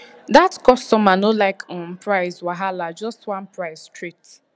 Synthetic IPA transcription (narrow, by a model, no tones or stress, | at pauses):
datkɔstɔmanolaɪkɔ̃n̩pɾaɪzwaɦalad͡ʒɔstwãnpɹaɪzstɹit